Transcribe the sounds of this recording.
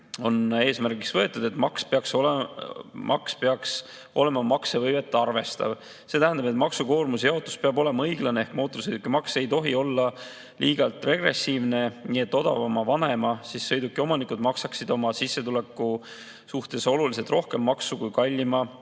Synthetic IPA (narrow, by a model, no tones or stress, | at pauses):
o̞ne̞ːsmærɡ̥iksvɤe̞t̪ːˑud̪̥e̞t̪ˑmɑkspeɑksol | mʔɑ̰kspe̞ɑks | o̞̰le̞mɑmɑksevɤjve̞t̪ːˑɑrve̞st̪ɑ̰v | se̞t̪æɦænd̪ɑbe̞t̪ˑmɑksuko̞ːrmusjeɑo̞t̪ːˑu̥speɑbo̞le̞mɑɤjɡlɑnee̞hkmo̞ːt̪os̬ɤjd̪ukːˑimɑkse̞jt̪o̞ɦio̞lːɑ | liːɡ̥ɑlt̪ˑre̞ɡre̞sːiːvne̞niːe̞t̪ːˑo̞d̪̥ɑ̰vɑmɑvɑne̞mɑsisːɤjd̪ukːˑio̞mɑnikud̪mɑksɑksid̪o̞mɑsisːe̞t̪ule̞kːˑu | suht̪e̞so̞lulis̬e̞lt̪rʔo̞hke̞mːɑksukujkɑlʲːimɑ